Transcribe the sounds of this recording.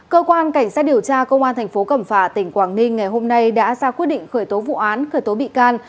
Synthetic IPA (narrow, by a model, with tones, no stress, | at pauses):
kəː˧kwaː˧nka˧˩jŋ̟saː˦˥t̚ɗi˨˩əwt͡ɕaː˧kə˧wŋ͡mʔaː˧nt̪ʰɛ˨˩ŋ̟fo˨˦kə˧˩mfaː˧˩t̪ï˧˩ŋ̟kwaː˧˩ŋnï˧ŋ̟ːa˨˩jɦo˧mna˧jɗa̰ː˧˥zaː˧kwt̚ɗḭ˧˨ŋ̟xəː˧˩jt̪o˨˦vṵ˧˨ʔaː˨˦nxəː˧˩jt̪o˨˦ɓḭ˧˨kaː˧n